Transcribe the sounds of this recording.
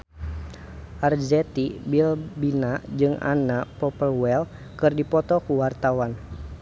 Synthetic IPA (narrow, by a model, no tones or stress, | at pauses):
ʔard͡ʒɛt̪ibilbinad͡ʒɨŋa̰napɔpəlwɛl | kɨrdipɔt̪ɔkuwart̪awan